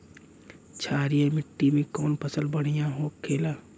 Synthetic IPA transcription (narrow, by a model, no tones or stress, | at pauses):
t͡ʃʰaːɾijəmɪʈːimẽkɔːnpəsəlbəɽ̤ijãɦoːkʰːeːlaː